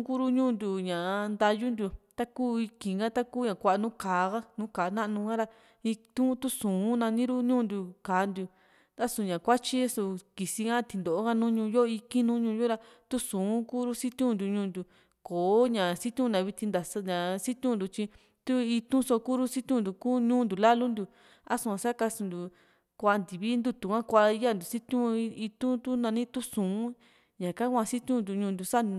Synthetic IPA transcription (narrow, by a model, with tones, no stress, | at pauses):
ku˦ɾu˦ɲũː˦˨nd̪ʲu˧ɲã˨˧nd̪a˧ju˦nd̪u˧t̪a˦kuː˦i˧kĩ˧˨ŋɡa˦t̪a˦kuː˦ɲã˨kʷa˧ʔa˧nũ˦kaː˨˦ɣa˦nũː˦kaː˨˧nã˦ʔnũ˧ɡã˦ɾa˧ | i˧t̪ũ˦t̪u˦sũː˨˦nã˧nĩ˦ɾu˦ɲũː˦˧nd̪u˧˨kaː˨˦nd̪u˧ | t̪a˦su˧˨ɲã˨kʷa˦t͡ʃi˦su˧ki˨si˧ŋã˦˧t̪i˧nd̪o˨ʔɡa˦nũː˦ɲũː˧jo˦˧i˧ki˦nũ˦ɲũː˧jo˦ɾa˧t̪u˦sũː˨˦ku˦ɾu˦si˦t̪ũ˦nd̪u˧ɲũː˧˦nd̪ʲu˨ | koː˨˦ɲã˨si˦t̪ʲũ˦˧nã˨˧βi˧t̪ĩ˧nd̪a˨sɲã˨si˦t̪ʲũ˦nd̪u˧˨t͡ʃĩ˧ | t̪u˦i˧t̪ũ˦so˧ku˦ɾu˦si˦t̪ʲũ˦˧nd̪u˨ku˦ɲũː˦nd̪u˨la˦lu˦nd̪u˧ | a˦sũ˧ã˧sa˦ka˧sũ˧nd̪u˨ | kʷa˧nd̪i˨βi˦nd̪u˧t̪u˨kã˦kʷa˧˦ja˦˨nd̪u˨si˦t̪ʲũ˦˧i˧t̪ũ˦t̪u˦nã˧nĩ˦t̪u˦sũː˨˦ | ɲã˨kã˦kʷã˧si˦t̪ʲũ˦nd̪u˧ɲũ˧nd̪u˧sa˦˧